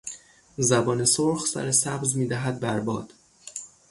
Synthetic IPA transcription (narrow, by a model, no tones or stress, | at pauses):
zæbɒːne̞soɾxsæ̰ɾesæbzmiːd̪æɦæd̪̚bæɾbɒːd̪̥